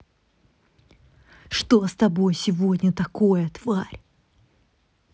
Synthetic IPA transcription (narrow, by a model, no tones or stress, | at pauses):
ʂt̪ost̪ɐbo̞jsʲɪvodʲnʲət̪ɐko̞jət̪v̥aɾʲ